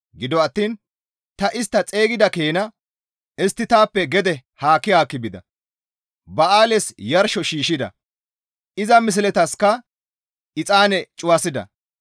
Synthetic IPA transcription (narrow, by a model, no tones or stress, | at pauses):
ɡɪd̪ɔɐt̪ːiːn | t̪ɐʔɪst̪ːɐt͡sʼe̞ːɡɪd̪ɐkeːnɐ | ɛst̪ːɪt̪aːpːɛɡɛd̪ɛhaːkːɪhaːkːɪbɪd̪ɐ̰ | bɐaːlɛsjɐɾʃɔʃiːʃɪd̪ɐ̰ | ɪzɐmɪs̬ɪlɛt̪ɐskɐ | ɪt͡sʼaːnɛt͡ʃʼʊwɐsɪd̪ɐ̰